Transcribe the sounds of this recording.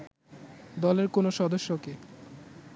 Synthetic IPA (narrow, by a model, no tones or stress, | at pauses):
d̪ɔleɾkonoʃɔd̪oʃːoke